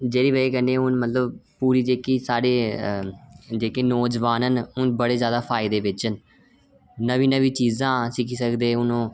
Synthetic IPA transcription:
d͡ʒeːɾiːʋəiːkəneːɦʊnmət̪ləbpuːɾiːd͡ʒeːkiːsaːɽeː | d͡ʒeːkeːnoːd͡ʒʋaːnənʊnbəɽeːzjaːd̪aːpʰaːɪd̪eːʋɪt͡ʃən | nəʋĩːnəʋiːt͡ʃiːzãːsɪkʰiːsəkd̪eːʊnõː

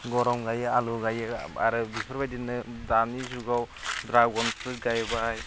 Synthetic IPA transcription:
ɡɔɾɔmɡajɯaluɡajɯa̰ɾɯbipʰɯɾbajdinːɯdanizuɡaw | dɾaɡɔnsɯɡajbaj

